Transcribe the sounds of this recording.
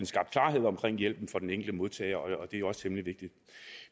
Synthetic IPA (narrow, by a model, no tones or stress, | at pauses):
en̩sɡ̥ɑ̈b̥d̥kʰlɑ̈ːɦe̝ð̞̰ˠɒ̽mkʰʁeŋ̰jel̰b̥n̩fɒ̽d̥en̩eŋɡ̥l̩d̥əmo̝ð̞ˠt͡sʰɛ̰ːɪɐɒ̽ɒ̽d̥e̝joɒ̽st͡sʰemliʋe̝ɡ̥̚d̥id̥